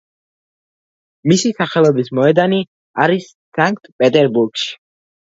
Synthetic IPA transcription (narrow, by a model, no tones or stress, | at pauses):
misisaχɛlˠɔbismɔɛd̪ani | aɾis | saŋk̚ʰʼt̪ʰʼpʼɛt̪ʼɛɾbuɾɡ̥ʃi̥